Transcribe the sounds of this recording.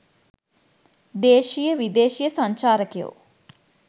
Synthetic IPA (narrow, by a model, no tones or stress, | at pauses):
d̪eːʃijəʋid̪eːʃijəsɐɲt͡ʃaːɾəkejo̰